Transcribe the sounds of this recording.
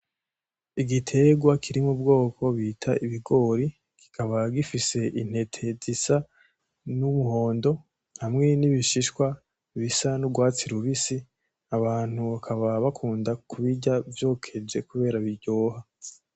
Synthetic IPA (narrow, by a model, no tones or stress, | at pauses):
iɡitʰe̞ɡwakʰiɾimub̚ɡo̞ːkʰo̞βitʰaiβiɡo̞ːɾi | ki̥kʰaβaɡifise̞ʔin̥he̞tʰe̞zisa | numuɦo̞ːndo̞ | hamŋe̞niβiʃiʃkwa | βisanuɡwaːt͡siɾuβisi | aβaːn̥huβakʰaβaβakʰuːndakuβiɟavjo̞ːkʰe̞d͡ʒe̞kuβe̞ːɾaβiɟo̞ːɦa